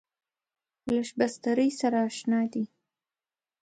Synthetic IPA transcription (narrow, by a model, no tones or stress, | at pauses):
laʃbast̪aɾəjsaɾaːʃnɑd̪i